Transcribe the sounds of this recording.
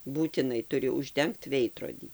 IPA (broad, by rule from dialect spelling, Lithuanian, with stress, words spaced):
buːtʲɪˈnɐɪ tʊˈrʲɪ ʊʒʲˈdʲɛŋkt ˈʋʲɛɪdroːdʲiː